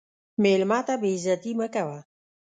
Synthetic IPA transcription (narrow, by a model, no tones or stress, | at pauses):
melmat̪abezat̪iməkawa